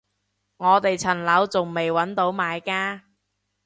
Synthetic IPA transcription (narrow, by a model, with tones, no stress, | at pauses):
ŋɔː˨˧t̪e˨jt͡sʰɐ˨˩nlɐ˨˥wt͡sʊ˨ŋme˨jwɐ˨˥nt̪o˨˥wmaː˨˧jkaː˧